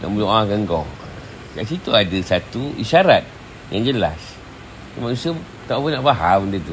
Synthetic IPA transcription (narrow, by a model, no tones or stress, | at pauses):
na̰ʔmuluʔaɡəŋɡɔ̰ŋ | kaʔs̬it̪uadasat̪uiʃaɾat̪̚ | jaŋd͡ʒəla̰s | amanusiə | t̪aupunːaʔbaɦamndət̪u